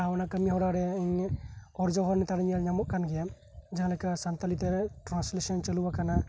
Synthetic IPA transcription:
awnakəmiɦɔɽaɾɛɛɲɔɾd͡ʒɔɦɔɾnit̪aɽɲalɲamɔʔ̚kanɡɛja | d͡ʒaɦãlɛkasant̪alit̪ɛɾʈɾãnslesənt͡ʃəlubakana

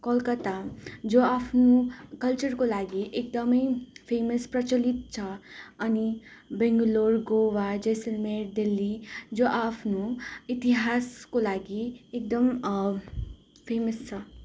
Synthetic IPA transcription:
kɔlkət̪ad͡ʒoapʰnũkɐlt͡ʃəɾkolaːɡiʔek̚d̪əməjpʰeːməspɾɐt͡ʃəlit̪̚t͡ʃʰɐɐnibɛ̃ŋɡloːɾɡoʋad͡ʒesəlmeɾd̪ilːid͡ʒoʔapʰnũit̪iɦaːskolaːɡiek̚d̪əm | pʰeːməst͡ʃʰɐ

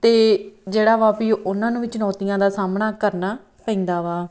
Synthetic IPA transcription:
t̪eːd͡ʒeːɽaːʋaːpiːʔʊnãːnũːʋɪt͡ʃnɔːt̪ɪjãːd̪aːsaːmnaːkəɾnaː | pəĩːnd̪aːʋaː

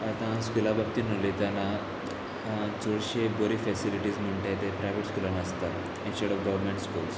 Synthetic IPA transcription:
at̪ãskulabab̚t̪iːnəlet̪janːa | d͡zoɽɕeboɾifɛsiliʈiːd͡zm̤əɳʈat̪epɾajʋeʈskulanast̪a | inɕoɽɔʋɡəʋəɾmẽɳʈskuls

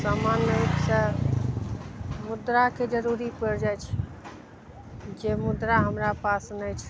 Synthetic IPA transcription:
samanːəksə | mud̪ɾaked͡ʒəɾuɾipəɾd͡ʒajt͡ʃʰ | d͡ʒemud̪ɾaɦəmɾapasnɛt͡ʃʰ

